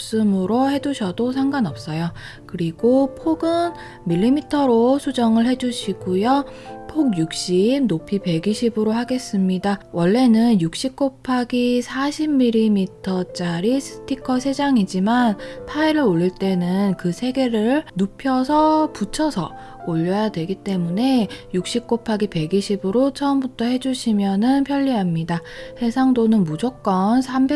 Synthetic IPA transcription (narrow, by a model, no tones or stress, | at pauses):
ps͈ɯmɯɾohe̞duɕʰʌdosʰaŋɡanʌp̚s͈ʌjo | kɯɾiɡopʰoɡɯn | miʎːimitʰʌɾosʰud͡ʑʌŋɯɭɦe̞d͡ʑuɕʰiɡujopʰoɡ̚juk̚ɕ͈imnopʰipe̞ɡiɕʰibɯɾoɦaɡe̞s͈ɯmɲidawʌɭːe̞nɯnjuk̚ɕ͈ik͈opʰaɡisʰaɕʰimmːiɾimitʰʌt͡ɕ͈aɾisʰɯ̥tʰikʰʌsʰe̞d͡ʑaŋid͡ʑimanpʰaiɾɯɾoɭːiɭt͈e̞nɯnkɯsʰe̞ɡe̞ɾɯɭnopʰjʌsʰʌput͡ɕʰʌsʰʌ | oʎːʌjadwe̞ɡit͈e̞mune̞juk̚ɕ͈ik͈opʰaɡipe̞ɡiɕʰibɯɾot͡ɕʰʌmbutʰʌhe̞d͡ʑuɕʰimjʌnɯnpʰjʌʎːiɦamɲidahe̞sʰaŋdonɯnmud͡ʑok̚k͈ʌnsʰambe